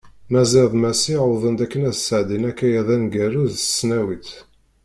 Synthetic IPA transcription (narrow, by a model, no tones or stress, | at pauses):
mæziɾðˤmæsiʕʊðˤənd̪ækːənæðsəʕd̪inækːæjæðænɡæɾuðə̥sːnæwit̪